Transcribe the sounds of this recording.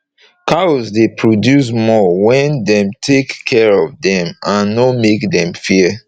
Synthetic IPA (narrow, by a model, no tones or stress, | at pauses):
kasdepʰɹodjus̬mɔwɛ̃ndɛ̃mtʰekʰːɛɹɔvdɛ̃mãnːɔmekdɛ̃mfiə